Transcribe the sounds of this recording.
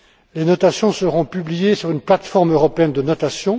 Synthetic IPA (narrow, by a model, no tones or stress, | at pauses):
lenɔt̪asjɔ̃səʁɔ̃pyblijesyʁynplat̪fɔʁmøʁɔpeɛnd̪ənɔt̪asjɔ̃